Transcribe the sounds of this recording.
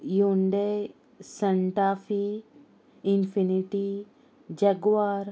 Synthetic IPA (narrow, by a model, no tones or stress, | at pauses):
juɳɖe | sɐɳʈaːfi | infiniʈi | d͡ʒɐɡwaːɾ